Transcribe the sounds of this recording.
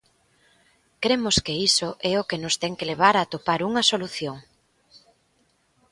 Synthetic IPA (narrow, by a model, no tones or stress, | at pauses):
kɾemʊskeisoʔɛʊkenʊst̪ɛŋkeleβ̞aɾat̪opaɾuŋɐsoluθjoŋ